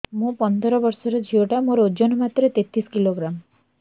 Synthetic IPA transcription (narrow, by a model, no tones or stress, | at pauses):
mũpɔnd̪ʱɔɾɔbɔɾsɔɾɔd͡ʒʱioʈamoɾod͡ʒɔnɔmat̪ɾet̪et̪ɾiskiloɡɾam